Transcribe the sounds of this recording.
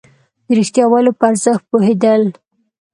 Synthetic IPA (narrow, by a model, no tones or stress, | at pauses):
d̪əɾixt̪jɑwɑlopəaɾzəxt̪̚pohed̪əl